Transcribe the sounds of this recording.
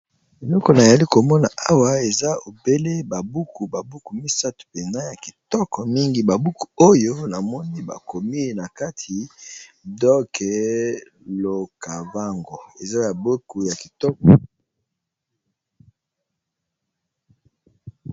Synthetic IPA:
e˨lɔ˦kɔ˨na˨ja˨li˦ko˨mɔ˦na˨ʔa˦wa˦e˨za˦o˨be˦le˦ba˨bu˦ku˨ba˨bu˦ku˨mi˦sa˦tu̥˨pe˨na˦ja˨ki̥˨tɔ˦kɔ˨mi˦ŋɡi˦ba˨bu˦ku̥˨o˦jo˦na˨mɔ˦ni˦ba̰˨ko˨mi˦˨na˨ka˦tʰi˨ | dɔ˦kʰɛ˨ | lo˨ka˨va˦ŋɡɔ˨e˨za˦ja˨bo˦ku˨ja˨ki˨tɔ˦kɔ˨

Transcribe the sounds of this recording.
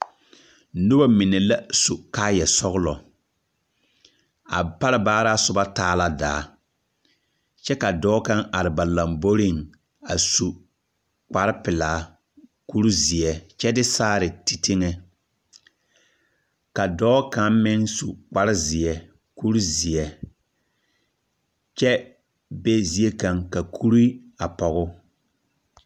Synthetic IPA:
nʊ˦ba˦mɪ˨nɛ˨la˦su˨kaː˦jɛ˨sɔ˦ɣʊ˦lɔ˨ | a̰˨pa˦ɾɪ˦baː˦ɾa˦sʊ˨ba˦taː˦la˦da̰ː˨˦ | t͡ʃɛ˦ka˨dɔː˦ka˦ŋʔa˨ɾɪ˨ba˨la˨mbo˦ɾɪ˦˨ŋ | a˨su˨ | k͡pa˨ɾɪ˦pɪ˨laː˨˦ | ku˦ɾzɪ˨ɛ˨t͡ʃɛ˦dɪ˦saː˦ɾɪ˨ti˨tɪ˦ŋe˦ | ka˨dɔː˦ka˦m˦mɪ˦nsu˨k͡pa˦ɾɪ˦zɪ˨ɛ˨ | ku˦ɾu˦zɪ˨ɛ˨ | t͡ʃɛ˦ | be˦zi˦e˦ka˨ŋka˨kʰu˦ɾi˦a˨pɔ˨ɣʊ˦

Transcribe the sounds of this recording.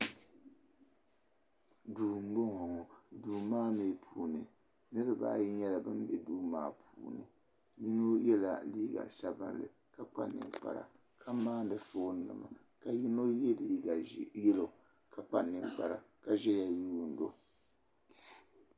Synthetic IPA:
duː˨m̩˦bo˦ŋɔ˨ŋɔ˨duː˨maː˦me˨pʰuː˨nɨ˨ | nɨ˦ɾɨ˦ba̰ː˦ji˦ɲɛ˦la˨bɨ˦mbɛ˦duː˦maː˦pʰuː˨˦nɨ̰˨ | ji˦no˦jɛ˦la̰˨liː˦ɡa̰˨sa˨bɨ̰˦nlɨ̰˨ | ka˨k͡pa̰˦nɨ̰˨ŋk͡pa̰˨ɾa̰˨ | kʰa˦maː˦n˦dɨ˨foː˦n˦nɨ̰˨ma̰˨ | ka˨ji˦no˦jɛ˦liː˦ɡa˨jɛ˦lo˨ | ka˨k͡pa˦nːɨ˨ŋk͡pa˨ɾa̰˨ | ka˨ʒɛ˦ja˨juː˦˨n˨do˦

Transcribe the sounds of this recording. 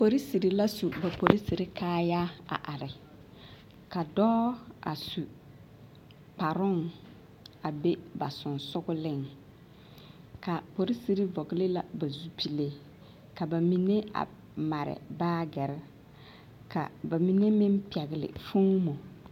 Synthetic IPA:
po˨ɾi˦si˨ɾi˨la˦su˨ba˨po˨ɾi˦si˨ɾi˦kʰaː˦ja˦a̰˨ʔa˨ɾɪ˨ | ka˨dɔː˦a̰˨su˨ | k͡pa˨ɾʊ˦ŋ | a˨be˦ba˨sʊ˨nsʊ˦ɡʊ˦lɪ˦ŋ | ka˨po˨ɾi˦si˨ɾi˦vɔ˨ɡɪ˨lɪ˦la˨ba˨zu˦pʰi˨le˨ | ka˨ba˨mi˨ne˦a̰˨ | ma˨ɾɪ̰˨baː˦ɡɛ˨ɾɪ˦ | ka̰˨ba˨mi˨ne˦mɪ˦m˦pi˨ɛ˨ɣɪ˨lɪ̰˨fʊ˦ŋmɔ˨

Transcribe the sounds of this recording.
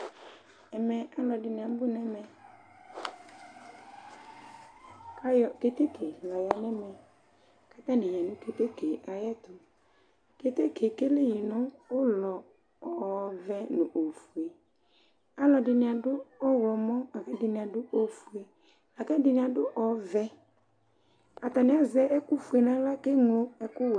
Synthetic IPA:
ɛ˨mɛ˨a˦lɔ˨dɪ˨n˨a˨m˦bʊ˦nɛ̃˦mɛ̃˨ | ka˦jɔ˨ke˦t̪e˦kʰe˨lɔ˨ja˨nɛ˦mɛ̃˨ | ka˦t̪ã˦nɪ̃˨jɛ˨nʊ̃˦to˦t̪e˦ke˨ʔa˨jɛ˦t̪ʊ˨ | ke˨t̪e˦kʰe˨ke˦le˦jɪ˨nʊ̃˦wo˦lɔ˨ | ɔ˨vɛ˦nʊ̃˨ʔo˨fu˨e˨ | a˦lɔ˨dɪ˨nɪ̃˨a˨dʊ˦ɔ˦wlɔ˨mɔ̃˦a˨kɛ˦dɪ˨nɪ̃˨a˨dʊ˦ʔo˨fu˨e˨ | a˨kɛ˦dɪ˨nɪ̃˨a˨ɖʊ˦ʔɔ˨vɛ˦ | a˨t̪a˨nɪ̃˦a˦zɛ˦ʔɛ˦ku˦fu˨e˨nã˦la˦ke˦ŋlʊ˦ɛ˦kʊ˦w

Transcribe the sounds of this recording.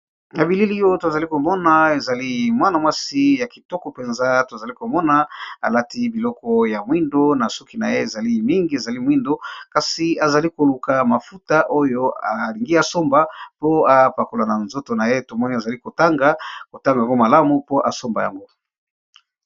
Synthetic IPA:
ja˨bi˨li˦li˦jo˦to˨za˨li˦ko˨mɔ˦na˦e˨za˨li˦mwa˦na˨mwa˦si˦ja˨ki˨tɔ˦kɔ˨pe˨nza˦to˨za˨li˦ko˨mɔ˦na˦a̰˨la˦ti˦bi˨lɔ˦kɔ˦ja˨mwi˦ndo˦na˨su˦ki˨na˨je˦e˨za˨li˦mi˦ŋɡi˦e˨za˨li˦mwi˦ndo˦ka˨si˨a˨za˨li˦ko˨lu˨ka˨ma˨fu˦ta˦ʔo˦jo˦a˨li˨ŋɡi˦a˨so˦mba˨po˦a˨pa˨ko˨la˨na˨nzo˦to˨na˨je˦to˨mɔ˦ni˦a˨za˨li˦ko˨ta˦ŋɡa˦ko˨ta˦ŋɡa˨ja˨ŋɡo˦ma˨la˦mu˦po˦ʔa̰˨so˦mba˨ja̰˨ŋɡo˦

